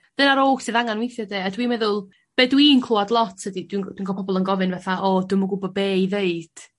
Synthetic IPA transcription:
dənaɾoːsɨðaŋanwɪjθjɔdeːadwiːmɛðʊlˠ | b̥edwiːnkʰl̥ˠɔadlˠɔtʰədidwind̥winɡɔpʰɔbɔlˠənɡɔvɨnvɛθaʔɔdʊmɔɡʊbɔbeːiveɨd̥

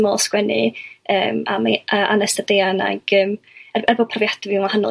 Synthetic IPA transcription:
mɔlˠskwɛnɪ̰əːma̰maəʔanəstadeːana̰ɡ̥əːm | ɛrɛrbɔd̚pʰrɔvjadɪvɪnwahanɔ̰

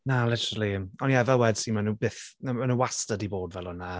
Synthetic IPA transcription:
nalɪtəɾəlˠimɔniɛvɛlwɛd̥sinmanubeːθmanuastədiboːdvɛlˠɔna

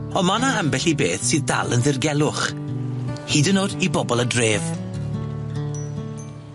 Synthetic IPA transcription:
ɔmanaambɛɬibḛːθsɨːðda̰lˠənðɪrɡɛlˠʊχ | hiːdənoːdibɔbɔlˠədreːv

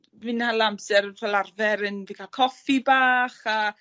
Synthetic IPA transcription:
vinalˠamsɛɾrɛlarvɛɾənvikʰakʰɔfibaːχa

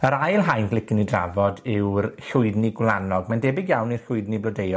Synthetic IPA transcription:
əɾajlˠɦajnɡlˠɪkɪnidra̰vɔdɪwrɬʊɨdniɡwlˠanɔɡmandɛbɪɡjawnirɬʊɨdniblɔdejɔ

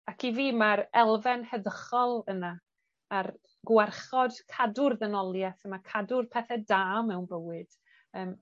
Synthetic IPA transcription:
akʰiviːmaɾɛlˠvɛnhəðəχɔlˠəna | ar | ɡ̥wɛrχɔd̥kʰadʊrðɛnɔlˠjɛθəmakʰadʊrpʰɛθɛdaːmɛwnbəwɨd̥ | əːm

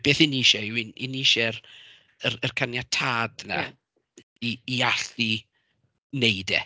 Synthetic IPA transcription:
b̥eːθiniʃɛwinɪ̰niʃɛr | ərərkʰanjatʰaːdna̰ | iːaɬi | nejdɛ

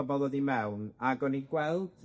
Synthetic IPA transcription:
ɔbɔlˠəðimɛwnaɡɔniɡwɛlˠd̥

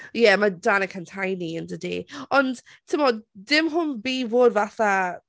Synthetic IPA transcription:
jɛmadanəkʰəntʰajniəndədeːɔnd̥ | tʰɪmɔd̥ɪmɦʊnbiːvoːdvaθa

